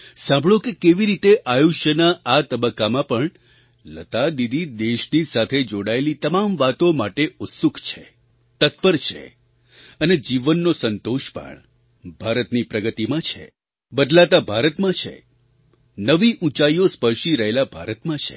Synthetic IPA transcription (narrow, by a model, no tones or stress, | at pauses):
sãmbʱɭokekeʋiɾit̪eʔajuʃjənaʔat̪əbəkːamãpəɳ | lət̪ad̪id̪ʱid̪eʃnisat̪ʰed͡ʒoɽaelit̪əmamʋat̪omaʈeʊt̪sukʰt͡ʃʰḛ | t̪ət̪̚pəɾt͡ʃʰḛ | əned͡ʒiʋənːosənt̪oʃpə̰ɳ | bʱaɾət̪nipɾəɡət̪imãt͡ʃʰḛ | bəd̪lat̪abʱaɾət̪mãt͡ʃʰḛ | nəʋiʔũt͡ʃaiospəɾʃiɾəɦelabʱaɾət̪mãt͡ʃʰḛ